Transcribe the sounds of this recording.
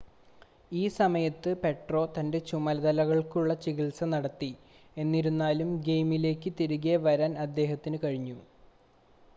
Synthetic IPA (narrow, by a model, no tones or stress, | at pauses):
iːsɐmɐjɐt̪ːɨpe̞ʈro̞ːt̪ɐnde̞t͡ɕumɐlɐðɐlɐɣɐɭkuɭːɐt͡ɕiɣiɭsɐnɐɽɐt̪ːi | e̞nːiɾunːaːlumɡejmile̞ːkːɨt̪iɾuɣeʋɐɾaːnɐd̪ːe̞ːɦɐt̪ːinɨkɐɻiɲːu